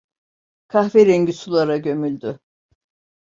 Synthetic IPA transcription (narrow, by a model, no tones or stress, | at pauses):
kʰahveɾeɲɟysulˠaɾaɟø̞mylʲd̪ʏ